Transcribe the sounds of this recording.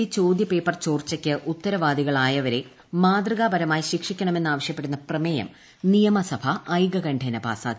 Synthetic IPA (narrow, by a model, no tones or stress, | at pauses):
it͡ɕo̞ːd̪jɐpe̞ːpːɐrt͡ɕo̞ːrt͡ɕːɐkʲːɨʔut̪ːɐɾɐʋaːd̪iɣɐɭaːjɐʋɐɾe̞ | maːd̪rɐɣaːbɐɾɐmaːjiɕikʂikʲːɐɳɐme̞nːaːʋɐɕjɐpːe̞ɽunːɐprɐmejɐ̰m | nijɐmɐsɐbʱɐɐjɡɐɡɐɳɖʰʱenɐba̰ːsa̰ː